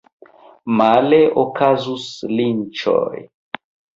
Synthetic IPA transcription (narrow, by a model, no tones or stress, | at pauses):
maleokazuslint͡ʃo̰j